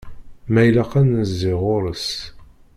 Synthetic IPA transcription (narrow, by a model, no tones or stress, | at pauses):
mæjlæqænəzːɪʁʊɾəs